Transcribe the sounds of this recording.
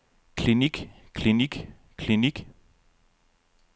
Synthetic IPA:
kʰliniɡ̥ | kʰliniɡ̥ | kʰliniɡ̥

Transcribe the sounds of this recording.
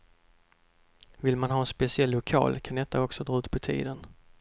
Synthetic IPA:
vɪlmanɦɑːɛnspɛsɪɛlːʊkʰɑ̰ːlkʰand̪ɛt̪ːaɔksɔd̪ɾɑːʉ̟ːt̪̚pʰɔt̪ʰḭːd̪ən

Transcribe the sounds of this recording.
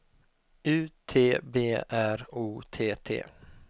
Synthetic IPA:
ʉ̟ːt̪ʰeːbeːʔæɾuːt̪ʰeːt̪ʰḛː

